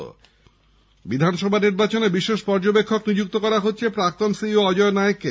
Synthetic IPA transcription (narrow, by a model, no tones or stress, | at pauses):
bid̪ʱanʃɔbʱaniɾbat͡ɕonebiʃeʃpɔɾd͡ʑobekʰːoknid͡ʑuk̚t̪okɔɾaɦotːɕʰepɾak̚t̪onsioɔd͡ʑɔenaekːe